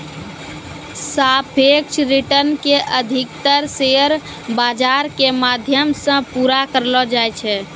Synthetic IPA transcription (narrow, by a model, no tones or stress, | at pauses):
sapʰek̚t͡ʃʰɾiʈənkeʔəd̪ʱikt̪əɾseəɾ | bad͡ʒaɾkemad̪ʱjəmsə̃puɾakəɾlɔd͡ʒajt͡ʃʰɛ